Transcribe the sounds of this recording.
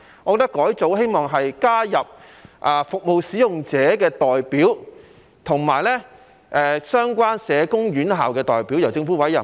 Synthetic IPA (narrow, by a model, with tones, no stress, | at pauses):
ŋɔ˨˧kɔ˧t̪ɐ˥kːɔː˨˥jt͡so˨˥wɦe˥jmɔː˨ŋɦɐ˨jkaː˥jɐ˨p̚ʔaː˨˩fʊ˨k̚mo˨wsiː˨˥jʊ˨ŋt͡sɛː˨˥kɛː˧t̪ɔː˨jpiː˨˥w | t̪ʰʊ˨˩ŋmaː˨˩jlɛ˥ | ʔɛː˨sœː˥ŋkʷaː˥nsɛː˨˧kʊ˥ŋɥyː˨˥nɦaː˨wkɛː˧t̪ɔ̰ː˨jpi˨˥wjɐ˨˩wt͡sɪ˧ŋfuː˨˥wɐ˨˥jɐ˨˩